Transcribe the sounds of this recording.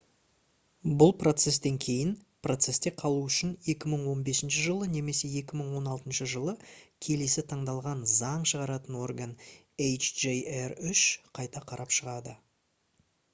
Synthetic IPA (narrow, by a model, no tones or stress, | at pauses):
bʊlˠpro̞t̪se̞st̪e̞ŋkʲʰe̞jɪnpʰro̞t̪se̞st̪e̞qʰɑlˠuʏʃɪne̞kʲɪməɴwo̞nbe̞sɪnʃɪʒəlˠəne̞me̞se̞je̞kʲɪməɴwo̞nɑlˠt̪ənʃəʒəlˠəkʲʰe̞le̞sɪt̪ʰɑɴd̪ɑlˠʁɑnzɑɴʃəʁɑɾɑt̪ənwo̞rɡan | ejt͡ʃʒejerʏʃqʰɑjt̪ɑqʰɑɾʔɑpʃəʁɑd̪ə